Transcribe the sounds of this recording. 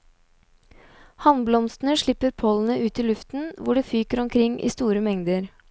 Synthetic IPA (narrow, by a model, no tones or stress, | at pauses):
hɑnblɔmst̪n̩əʂɭɪpːəɾpʰɔln̩əʔʉːt̪iːlʉft̪n̩ʋʊɖeːfyːkəɾɔmkʰɾɪŋʔḭːst̪uːɾəmɛŋd̪əɾ